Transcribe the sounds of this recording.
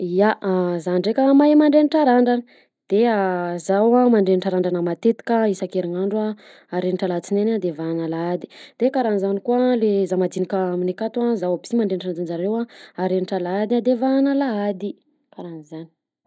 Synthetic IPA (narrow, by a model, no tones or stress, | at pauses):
ijaʔzanɳɖ͡ʐekʲəmajmaɳɖ͡ʐeniʈ͡ʂaɾaɳɖ͡ʐanə | d̪̥eazawamaɳɖ͡ʐeniʈ͡ʂaɾaɳɖ͡ʐanəmat̪et̪i̥kəisakeɾiŋaɳɖ͡ʐua | aɾenʈ͡ʂalat͡sinenad̪evaanalaad̪i̥d̪̥ekaɾanizanikualezamad̪inikaaminekat̪uazawabimaɳɖ͡ʐenʈ͡ʂaaɳɖ͡ʐanzaɾewaaɾeniʈ͡ʂalaad̪iad̪evaanəlaad̪i | kaɾanizani̥